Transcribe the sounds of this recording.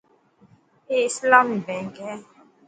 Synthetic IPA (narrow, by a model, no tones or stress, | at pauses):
eslam̩bɛŋɡɛ